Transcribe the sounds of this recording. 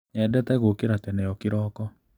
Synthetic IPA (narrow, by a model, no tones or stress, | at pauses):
ɛdɛtɛɣokeɾatɛnɛɔkiɾɔːkɔ